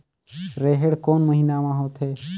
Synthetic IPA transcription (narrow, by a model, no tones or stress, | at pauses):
ɾeɦeɽkoːnməɦinamãɦoːt̪ɦe